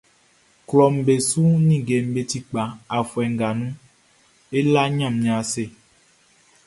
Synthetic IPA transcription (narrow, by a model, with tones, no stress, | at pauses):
klɔ˨m̩˨be˨su˦nĩ˦˨ɡe˨m̩˨be˨t̪i˦k͡pa˨a˨fwɛ˨ŋ˨ɡa˨nũ˦ | e˦la˦ɲã˦˨mɲĩ˨a˨se˦˨